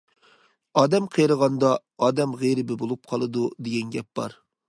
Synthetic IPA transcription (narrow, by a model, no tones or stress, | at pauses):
ɑːd̪ɛmqʰejɾəʁɑnd̪ɑ | ɑːd̪ɛmʁeɾɪbɪbolˠup̚qʰɑlˠɨd̪ud̪eɡʲɛnɡʲɛp̚b̥ɑ̰ɾ